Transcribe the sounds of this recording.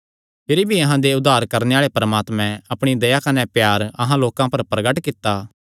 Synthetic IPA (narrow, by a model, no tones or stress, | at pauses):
pʰɪɾibʱiɐɦãd̪eʊd̪ːaːɾkɐɾneaːɭepɾɐmaːt̪mɛ̃ɐpɽ̃id̪ɐjakɐnɛpjaːɾɐɦãloːkãpɐɾpɾɐɡəʈkɪt̪ːaː